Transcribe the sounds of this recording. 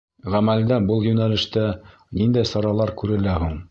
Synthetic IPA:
ʁæmæld̪æbɤlˠjɵnælɘ̆ʃt̪æ | nind̪æjsɑɾɑlˠɑɾkʉɾɘ̆læɦuɴ

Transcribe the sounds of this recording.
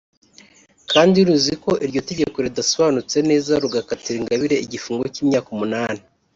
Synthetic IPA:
kaːndiɾuziko̞ʔiɾɟo̞te̞ɟekoɾedaso̞βaːnut͡se̞ne̞ːzaɾuɡakatiɾiŋɡaβiɾe̞iɟifuːŋɡociːmɲaːkomunaːni

